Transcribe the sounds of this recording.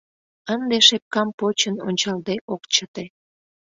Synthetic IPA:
ənd̪eʃep̚kɑmpot͡ɕəno̰nʲt͡ɕɑld̪eʔokt͡ɕət̪e

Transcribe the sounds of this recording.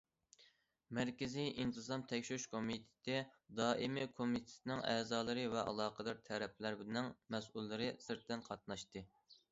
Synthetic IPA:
mæɾkʲɪzijʔint̪ʰɨzɑmt̪ʰɛkʲʃʃkʰomit̪ʰɪ̥t̪ʰɪd̪ɑːʔimɪkʰomit̪ʰɪ̥t̪ʰɪnɪŋɛːzɑːlˠɨɾɨvɛʔɑ̰lˠɑːqʰəd̪ɑɾt̪ʰɛɾɛp̚ʰlæɾbɪnɪŋmɛsʔulˠːɨɾɨsɪɾt̪ʰːɛnqʰɑt̪̚nɑʃt̪ɨ

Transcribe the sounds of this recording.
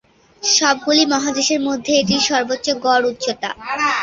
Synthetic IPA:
ʃɔb̚ɡulimɔɦad̪eʃeɾmod̪ʱːeeʈiʃɔɾbotːɕoɡɔɾutːɕot̪a̰

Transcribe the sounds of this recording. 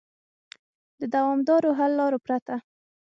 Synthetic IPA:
d̪əd̪awɑmd̪ɑɾoɦalːɑɾopɾat̪a

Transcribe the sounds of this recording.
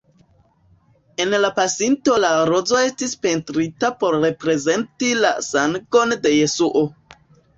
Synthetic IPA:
e̞nlapasinto̞laɾo̞zo̞e̞stispe̞ntɾitapo̞ɾːe̞pɾe̞ze̞ntila̰saŋɡo̞nde̞je̞suʔo̞

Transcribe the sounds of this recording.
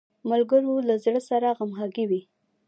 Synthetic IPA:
malɡəɾolazɽəsaɾaɣamxɑɡiwi

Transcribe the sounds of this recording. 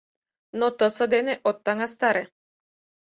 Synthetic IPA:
nɔt̪əsəd̪ɛnɛʔɔt̪ːaŋast̪aɾɛ

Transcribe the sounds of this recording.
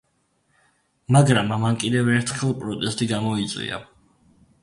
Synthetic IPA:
maɡɾamːamːankʼid̪ɛvɛɾt̪ʰχɛlˠpʼɾɔt̪ʼɛst̪ʼiɡamɔit̪sʼwḭa̰

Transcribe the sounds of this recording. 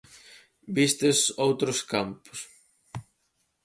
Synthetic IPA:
bist̪ɪsowt̪ɾʊskampʊ̥s

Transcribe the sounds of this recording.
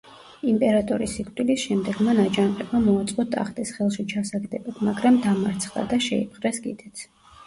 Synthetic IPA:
impʼɛɾat̪ʼɔɾisikʰʼt̪ʼwilisʃɛmd̪ɛɡmanad͡ʒanqʼɛbamɔat̪sʼqʼɔt̪ʼa̰χt̪ʼisχɛlˠʃit͡ʃʰasaɡd̪ɛbad̪maɡɾamd̪amaɾt̪sʰχd̪a̰d̪aʃɛḭp̚ʰχʼɾɛsɡḭd̪ɛt̪sʰ

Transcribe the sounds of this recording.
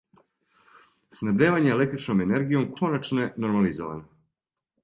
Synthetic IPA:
snad̪eːʋaɲeele̞kt̪ɾit͡ʃno̞mene̞ɾɡijo̞mkʰo̞nat͡ʃnojeno̞ɾmalizo̰ʋa̰no

